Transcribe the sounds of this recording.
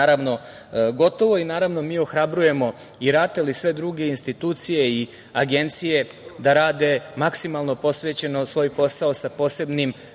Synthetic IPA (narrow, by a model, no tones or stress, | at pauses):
aɾaʋno̞ | ɡo̞t̪o̞ʋo̞inaːɾaʋno̞miːo̞xɾabɾuje̞mo̞ | iɾaːt̪elisʋe̞d̪ɾuɡe̞inst̪it̪uːt̪sije̞i | aɡe̞nt̪sije̞ | d̪aɾaːd̪e̞maksimalˠno̞po̞sʋeːt͡ɕe̞nosʋo̞ːjpo̞saosapo̞ːse̞bnim